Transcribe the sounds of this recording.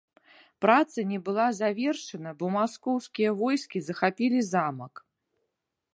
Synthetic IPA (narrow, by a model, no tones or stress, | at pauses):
pɾat̪sɐnʲɛbɨlˠazavʲɛrʂɐnɐbɔmaskɔwskʲijɐvɔjskʲizɐxapʲilʲizamɐk